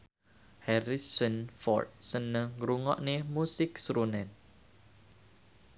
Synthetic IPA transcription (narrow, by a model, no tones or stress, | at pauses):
hɛɾisənfɔ̰rt̪̚sənə̃ɡɾuŋɔ̰ʔnemusɪk̚sɾunɛn